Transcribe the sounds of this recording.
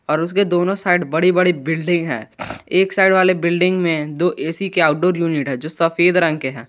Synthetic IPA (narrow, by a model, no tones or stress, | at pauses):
ɔːɾʊs̬ked̪oːnõsaːɪɖbɐɽibɐɽibɪlɖɪ̃ŋɡɦɛ̰̃ːeːksaːɪɖʋaːlebɪlɖɪ̃ŋɡmẽd̪oːʔeːsikeaːʊʈɖoːɾjuːnɪʈɦɛ̃d͡ʒoːsɐfeːd̪ɾə̃ŋɡkeɦɛ̃ː